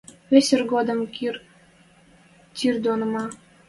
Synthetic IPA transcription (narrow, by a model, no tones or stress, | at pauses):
βesʲərɡod̪əmkr | t̪ird̪onə̆mɑ